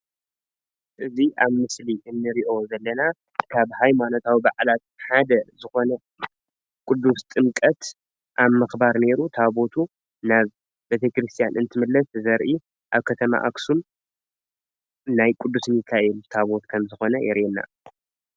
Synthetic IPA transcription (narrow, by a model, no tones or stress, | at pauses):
ʔɨziʔaβmɨsliʔɨnːɨɾiʔo̞zɐlːɐna | kʰaβhajmano̞t̪ʰawibaʕlat̪̚ħad̪ɐzɨxo̞nɐ | kʼʊd̪ːust̪ʼɨmkʼɐt̪ | ʔaβmɨxbaɾne̞ɾut̪ʰaβo̞t̪ʰu | naβ | bet̪ʰekɾɨst̪ʰijanʔɨnt̪ʰɨmɨlːɐszɐɾʔi | ʔaβkʰɐt̪ʰɐma̰ʔa̰ksun | najkʼud̪ːusɨnjɨkʰːaʔɛlut̪ʰaβo̞t̪kʰɐmzɨxo̞nɐjɛɾʔɛnːa̰